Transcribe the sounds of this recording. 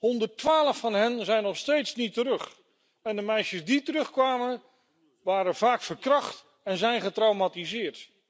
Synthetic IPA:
hɔndəɹtʋaːləfːɑnɦɛnzɛjnɔχstejtsnitəɾɵχ | ɛndəmɛjʃəsditərɵχkʋaːmən | ʋaːɾənvaːkfəɹkrɑχt | ɛnzɛjnχətrawmatizɪːɹt

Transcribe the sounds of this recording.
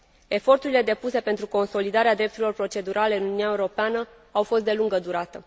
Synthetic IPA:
e̞fo̞rt̪uɾile̞d̪e̞puse̞pent̪ɾuko̞nso̞lid̪aɾead̪ɾept̪uɾilorpɾo̞t͡ʃe̞d̪uɾʔale̞ɨnununjaeuɾo̞peanə | awfo̞st̪̚d̪e̞luŋɡəd̪uɾat̪ə

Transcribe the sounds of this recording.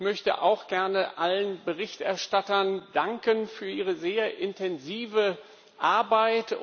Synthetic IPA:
mœçtə̰ʔa̰ʊxɡ̥ɛɐnəʔalənbəʁɪçtʔɛɐʃtatɐndaŋkənfyːɐʔiːʁəzeːɐʔɪntʰɛnziːvə | ʔaɐbaɪt

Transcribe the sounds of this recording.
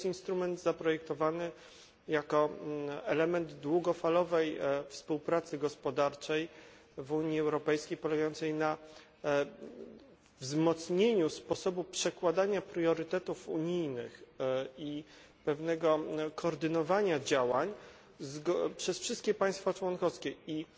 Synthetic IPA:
sinst̪ɾumɛnd̪zapɾɔjɛkt̪ɔvanɘ | jakɔɛlɛmɛnd̪d̪wuɡɔfalɔvɛjfspuwpɾat̪sɘɡɔspɔd̪aɾt͡ʂɛj | vuɲiɛwɾɔpɛjskʲejpɔlɛɡajɔnt̪sɛjna | vzmɔt̪sɲeɲuspɔsɔbupʂɛkwad̪aɲapɾjɔɾɘt̪ɛt̪ufuɲijnɘxi | pɛvnɛɡɔkɔːɾd̪ɘnɔvaɲad͡ʑawaɲ | zɡpʂɛsfʂɘst̪kʲɛpãj̃st̪fat͡ʂwɔnkɔskʲɛi

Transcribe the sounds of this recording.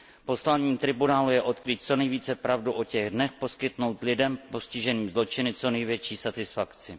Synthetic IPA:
po̞slaɲiːmt̪ɾɪbunaːlujɛʔo̞t̪kɾiːt̪̚t͡so̞nɛjviːt͡sɛpɾavduʔo̞cɛɣdnɛxpo̞skɪt̪no̞wt̪lɪdɛmpo̞scɪʒɛniːmzlo̞t͡ʃɪnɪt͡so̞nɛjvjɛt͡ʃiːsat̪ɪsfakt͡sɪ

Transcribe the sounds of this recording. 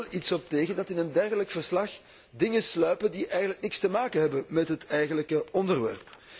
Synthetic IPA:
litsɔp̚teːɣəndɑtɪnəndɛrɣələkfərslɑx | dɪŋənslœɥpəndiʔɛjɣən̩ələknɪkstəmaːkənɦɛbənmɛtɦətɛjɣələkəɔndərʋɛ̰rp

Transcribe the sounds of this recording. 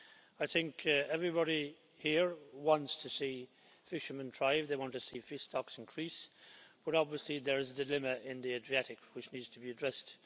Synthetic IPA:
aɪθɪ̃ŋkʰɛvɹibɑɾi | hiɹwɑ̃ntstʰɨsi | fɪʃəmə̃ntʰɹ̥aɪvðeɪwɑ̃ntʰɨsifɪstɑksɪ̃nkʰɹ̥isb̥ʌɾɑbviəsliðə˞ɨzədɨlɪ̃məʔɪ̃nðiedɹiæɾɨkwɨt͡ʃnidz̥tʰəbiɨdɹɛst

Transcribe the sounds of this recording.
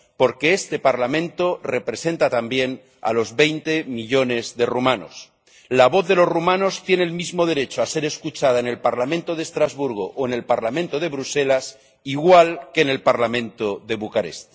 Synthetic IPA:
poɾke̞est̪e̞paɾlamẽ̞nt̪o̞re̞pɾe̞se̞nt̪at̪ambje̞n | a̰lo̞zβe̞jnt̪e̞miʎo̞ne̞zðe̞rumãno̞̰s | laβo̞θðe̞lo̞zrumãno̞st̪je̞neːlmizmo̞ð̞e̞ɾe̞t͡ʃoase̞ɾe̞skut͡ʃað̞aene̞lpaɾlamẽnt̪oðest̪ɾazβuɾɣ̞oʔoene̞lpaɾlamẽnt̪oð̞e̞βɾuse̞las | iɣwalkeːne̞lpaɾlamẽ̞nt̪oðe̞βukaɾe̞̰st̪

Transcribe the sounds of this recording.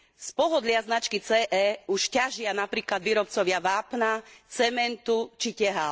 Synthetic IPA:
spɔɦɔd̪lɪaznat͡ʃkit͡sɛːʔɛːuʃcaʒɪanapɾiːklad̪ʋiːɾɔpt͡sɔʋɪaʋaːpnat͡sɛmɛnt̪ut͡ʃicɛɦa

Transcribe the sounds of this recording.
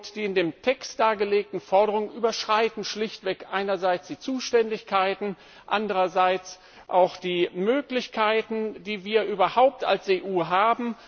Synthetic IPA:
td̥iːɪndeːmtʰɛkstd̥aːɡəleːk̚tn̩fɔɐɾəʁʊŋənʔyːbɐʃʁ̥aɪtn̩ʃlɪçtv̥ɛkʔaɪnɐzaɪt͡sd̥iːt͡suːʃtɛndɪçkʰaɪtn̩ | ʔa̰ndəʁɐzaɪt͡s | ʔaʊxd̥iːmøːklɪçkʰaɪtn̩d̥iːviːɐʔyːbɐhaʊp̚ta̰lseːʔuːɦaːbm̩

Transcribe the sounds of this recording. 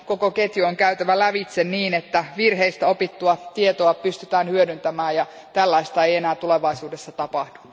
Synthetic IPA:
ko̞koket̪jyoŋkæyt̪æʋælæʋit̪senniːnet̪ːæʋirɦeist̪æo̞pit̪ːuɑt̪iet̪oɑpyst̪yt̪æːnhyødynt̪æmæːjɑ | t̪ælːɑist̪ɑeijenæːt̪uleʋɑisuːdesːɑt̪ɑpɑhd̥u̥

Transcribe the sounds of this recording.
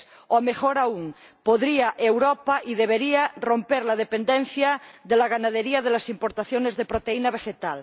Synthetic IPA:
omexoɾauŋ | poðɾiaʔewɾopaʔiðeβ̞eɾiaro̞mpeɾlað̞epend̪ẽn̟θjaðelaɣ̞anaðeɾiað̞elasimpoɾt̪aθjonezðepɾot̪einaβ̞exet̪al

